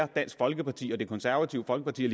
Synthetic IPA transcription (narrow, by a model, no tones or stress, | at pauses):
ɐd̥æn̰sɡ̥fɒ̽lɡ̥əpʰɑ̈t͡sʰḭːɒ̽d̥e̝kʰɔ̽nsæɐʋæt͡sʰiʊ̰fɒ̽lɡ̥əpʰɑ̈t͡sʰḭːɐli